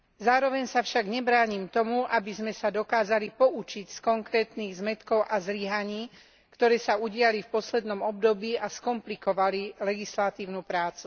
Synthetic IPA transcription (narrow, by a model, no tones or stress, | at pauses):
zaːɾɔʋɛɲsafʃaɡɲɛbɾaːɲimt̪ɔmuʔabizmɛsad̪ɔkaːzalipɔʔut͡ʃicskɔŋkɾɛːt̪niːɣzmɛt̪kɔʊʔazliɦaɲiː | kt̪ɔɾɛːsauɟɪalifpɔslɛd̪nɔmɔbd̪ɔbiːʔaskɔmplikɔʋalilɛɡislat̪iːʊnupɾaːt͡su̥